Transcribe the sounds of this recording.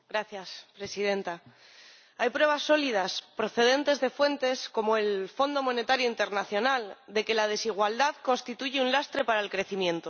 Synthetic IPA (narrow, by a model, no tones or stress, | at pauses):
ɡɾaθjaspɾe̞sið̞e̞nt̪a | ajpɾwe̞β̞asːo̞lið̞aspɾo̞θe̞ð̞e̞nt̪e̞zðe̞fwe̞nt̪e̞sko̞moe̞lfo̞nd̪o̞mõ̞ne̞t̪aɾjoint̪e̞ɾnaθjo̞nald̪e̞ke̞lað̞e̞siɣ̞wald̪aðko̞nst̪it̪uʝeunlast̪ɾe̞paɾaelkɾe̞θimjẽ̞nt̪o̞